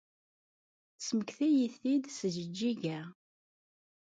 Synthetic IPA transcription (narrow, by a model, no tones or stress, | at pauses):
θsməkθæjiθid̪səʒəd͡ʒːiʝæ